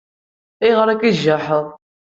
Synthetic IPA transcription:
iʁəɾækiʒaħəðˤ

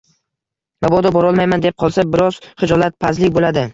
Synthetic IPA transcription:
mabɒd̪ɒbɒɾɒlˠmajmand̪ep̚qʰɒlˠsabɪɾɒz̥χɨd͡ʒɒlat̪̚pʰazlɪkʲbolad̪ɪ

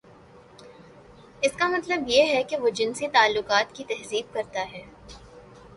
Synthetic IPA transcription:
ɪskamɐt̪ləbjeɦɛkeʋod͡ʒɪnsit̪aːlːʊqaːt̪kit̪ɛɦziːb̚kɐɾt̪aɦɛː

